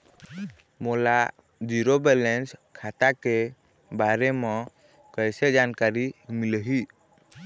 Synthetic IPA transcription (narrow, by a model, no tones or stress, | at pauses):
mɔla | d͡ʒiɾobɛlɛnskʰat̪ake | baɾɛmɔ̃ | kəjsed͡ʒankaɾimiləɦi